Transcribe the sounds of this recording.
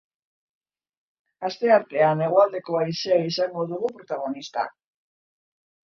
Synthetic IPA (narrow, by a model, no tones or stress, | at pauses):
ast̪e̞aɾt̪e̞ane̞ɣ̞oald̪e̞ko̞aiseaisaŋɡo̞ðuɣupɾo̞t̪aɣ̞o̞nist̪a̰